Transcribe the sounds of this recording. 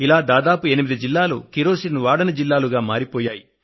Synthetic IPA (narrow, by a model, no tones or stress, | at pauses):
ilaːd̪aːd̪aːpue̞nimid̪id͡ʒilːaːlṵːkiɾoːsinuʋaːɽɐnɐd͡ʒilːaːluɡaːmaːɾipɔːjaːji